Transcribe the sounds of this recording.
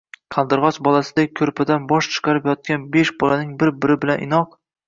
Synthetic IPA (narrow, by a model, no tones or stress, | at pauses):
qʰɑlˠd̪ɨɾʁɒsbɒlˠasɪd̪akʲʰɵɾpʰad̪anbɒʃt͡ʃʰɨ̥qʰɑɾɪpjɒt̪̚kʲanbeʃbɒlanɪŋbɪɾbɪɾɪbɪlanʔɪ̰nɒq